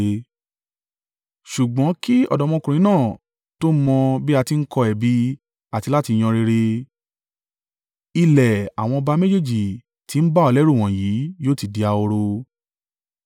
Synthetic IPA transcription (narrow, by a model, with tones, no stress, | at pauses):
ʃu˨ɡ͡bɔ̃˨˦ki˦ɔ̰˨dɔ˨˧mɔ̃˧kũ˨ɾ̃ĩ˧˦nãː˦˨ | to˦mɔ̃˧bi˦a˧ti˧n̩˦kɔ˧ɛ˨bi˨˦ | a˨ti˧la˦ti˧j̃ɔ̃˧ɾe˧ɾe˧ | i˧lɛ˨a˨w̃ɔ̃˧ɔ˧ba˧me˦d͡ʒe˦˨d͡ʒi˨ | ti˨˦n̩˦ba˦ɔ˧lɛ˦ɾu˦˨w̃ɔ̃˨ji˨˦joː˦ti˨di˨˧a˧o˧ɾo˧